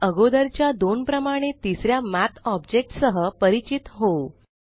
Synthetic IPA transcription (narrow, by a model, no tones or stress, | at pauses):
əɡod̪əɾt͡ɕjad̪onpɾəmaɽ̃et̪isɾjamæt̪ʰɔbd͡ʑek̚ʈsəɦəpəɾit͡ɕit̪ɦo